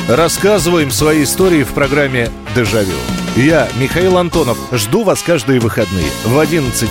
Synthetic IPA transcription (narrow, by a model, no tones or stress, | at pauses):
rɐskazɨvəjɪmsvɐjijɪst̪o̞ɾʲɪɪfpɾɐɡɾamʲːɪ | d̪ɨʐɐvʲḭlˠjamʲɪxɐilˠɐnt̪o̞nəfʐd̪uvaskaʐd̪ɨjəvɨxɐd̪nɨ̰jə̰vɐdʲinət̪sɨtʲ